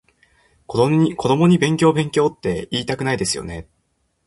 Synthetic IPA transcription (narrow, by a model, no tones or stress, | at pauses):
koikʰo̞d̪o̞mo̞ɲ̟ibẽ̞ŋkʲo̞ːbẽ̞ŋkʲo̞ːt̪ːe̞iːt̪akɯ̟naid̪e̞sɨjo̞̰ne̞